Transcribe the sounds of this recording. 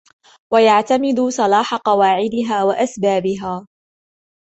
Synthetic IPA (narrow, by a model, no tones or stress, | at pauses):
wajaʕt̪amɪd̪ʊsˤɑlɑːħaqɑwaːʕɪd̪ɪɦaːwaʔasbaːbɪɦaː